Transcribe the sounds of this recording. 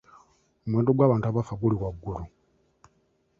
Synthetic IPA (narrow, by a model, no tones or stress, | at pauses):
umweːndoɡwaːβaːntʰuaβafaɡuliwaɡːuɾu